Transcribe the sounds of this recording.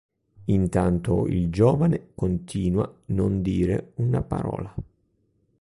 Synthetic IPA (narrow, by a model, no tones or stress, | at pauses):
int̪ant̪o̰ild͡ʒɔːvanekont̪ʰiːnwanond̪iːɾḛunapa̰ɾɔ̰ːla